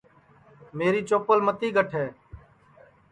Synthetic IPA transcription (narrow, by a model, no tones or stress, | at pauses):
meːɾiːt͡ʃoːpəlmət̪iːɡəʈʰɦɛː